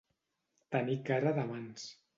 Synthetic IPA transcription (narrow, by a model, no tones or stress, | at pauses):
t̪ənikaɾaðamans